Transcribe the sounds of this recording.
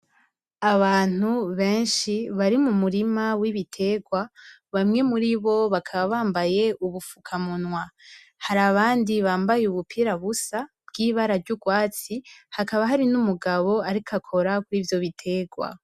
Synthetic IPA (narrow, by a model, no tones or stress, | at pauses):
aβaːn̥uβe̞ːnʃiβaɾimumuɾimawiβitʰe̞ɡwa | βamŋe̞muɾiβo̞βakʰaβaβaːmbaje̞ʔuβufu̥kʰamunwa | haɾaβaːndiβaːmbajeuβupʰiɾaβusa | b̥ɡiːβaɾaɾɟuɡwaːt͡sihakaβaɦaɾinumuɡaβo̞aɾikʰakʰo̞ɾakwiːvjo̞βitʰe̞ːɡwa̰